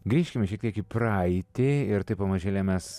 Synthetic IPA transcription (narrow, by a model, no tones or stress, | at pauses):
ɡɾʲiːʃʲkʲɪmʲɪʃʲiɛkt̪ʲiɛkɪpɾɐɪt̪ʲɪɪɾt̪ɐɪpɐmɐʒʲeːlʲɛmʲɛs